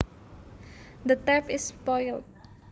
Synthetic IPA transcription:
d̪ət̪ɛpɪspɔjlt̚

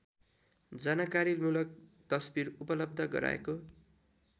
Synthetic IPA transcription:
d͡zʌnakaɾilmulʌk̚t̪ʌsbiɾupʌlʌb̚d̪ʱʌɡʌ̰ɾa̰ḛko

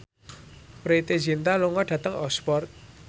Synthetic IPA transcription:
pɾet̪ezint̪aluŋɔɖ̥ä̤t̪əŋɔ̰spɔrt̪̚

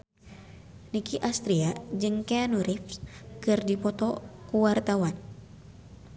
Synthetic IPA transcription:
nikiʔast̪ɾiad͡ʒɨŋkeanuɾifskɨrdipɔt̪ɔkuwart̪awan

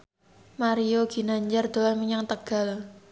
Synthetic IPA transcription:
maɾijoɡ̥i̤naɲd͡ʒard̪̥oamiɲaŋt̪əɡ̥a̤l

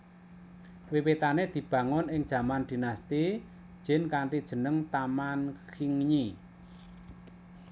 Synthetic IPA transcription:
wiwet̪aned̪̥i̤b̥ä̤ŋʊnɪŋd̥ʒ̥a̤mand̪̥i̤nast̪i | d̥ʒ̥ɪ̤nkaɳʈid̥ʒ̥ə̤nəŋt̪amankiŋɲi

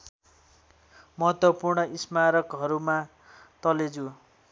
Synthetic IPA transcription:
mʌɦʌt̪wʌpurɳʌismaɾʌkɦʌɾuma | t̪ʌled͡zu

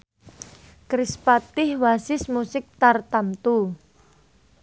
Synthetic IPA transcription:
kɾɪspat̪ɪhwasɪsmusɪk̚t̪art̪amt̪u

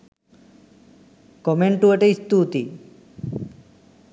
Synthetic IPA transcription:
kɔmeɳʈueʈeist̪ut̪i

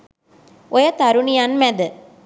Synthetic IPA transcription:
ojət̪aɾunijanmæd̪ə

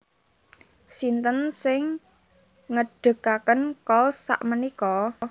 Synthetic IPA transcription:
sint̪ənsɪŋ | ŋəɖ̥ə̤kakənkɔlsːa̰ʔmənikɔ

